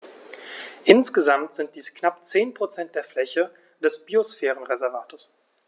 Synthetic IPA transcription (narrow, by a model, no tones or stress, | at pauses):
ʔɪnsɡ̥əzamtz̥ɪnt̚d̥iːsknapt͡seːnpʁ̥ot͡sɛnt̚d̥eːɐflɛçə | d̥ɛsb̥iosfɛːʁənʁezɛɐvaːtos